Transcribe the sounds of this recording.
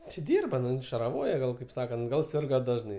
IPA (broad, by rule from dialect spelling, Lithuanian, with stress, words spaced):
tʲɪ ˈdʲiːrbɐ ˈnʊ ʃɐrɐˈʋoːjɛ ˈɡɐlˠ kɐɪp ˈsɑːkɐnt ˈɡɐlˠ ˈsʲɪrɡɐ ˈdɑːʒnɐɪ